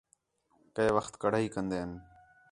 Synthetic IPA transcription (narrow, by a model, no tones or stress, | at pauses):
keːʋəxt̪kəɽ̤ːiːkənd̪eːən